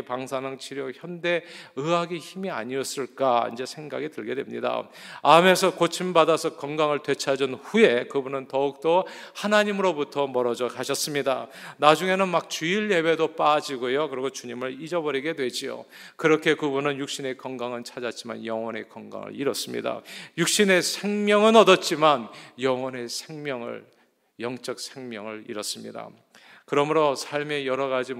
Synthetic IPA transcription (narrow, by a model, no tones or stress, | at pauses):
paŋsʰanɯŋt͡ɕʰiɾjoçjʌnde̞ɯaɡiçimia̰ɲiʌs͈ɯɭk͈aḭnd͡ʑe̞sʰe̞ŋɡaɡitɯɭɡe̞dwe̞mɲḭda̰ame̞sʰʌkot͡ɕʰimbadasʰʌkʌŋɡaŋɯɭtwe̞t͡ɕʰad͡ʑɯnɸuje̞kɯbunɯntʌuk̚t͈ohanaɲimɯɾobutʰʌmʌɾʌd͡ʑʌkaɕʰʌs͈ɯmɲidanad͡ʑuŋe̞nɯnmak̚t͡ɕuiɭje̞be̞dop͈ad͡ʑiɡojokɯɾiɡot͡ɕuɲimɯɭid͡ʑʌbʌɾiɡe̞dwe̞d͡ʑio̰ | kɯɾʌkʰe̞kɯbunɯnjuk̚ɕ͈ine̞kʌŋɡaŋɯɭt͡ɕʰad͡ʑat̚t͡ɕ͈ima̰njʌŋwʌne̞̰kʌŋɡa̰ŋɯ̰ɭḭɾʌs͈ɯmɲḭda̰juk̚ɕ͈ine̞sʰe̞ŋmjʌŋɯnʌdʌt̚t͡ɕ͈imanjʌŋwʌne̞sʰeŋmjʌŋɯ̰ɭ | jʌŋt͡ɕ͈ʌk̚sʰeŋmjʌŋɯɭḭɾʌs͈ɯmɲḭda̰ | kɯɾʌmɯɾosʰaɭme̞jʌɾʌɣad͡ʑi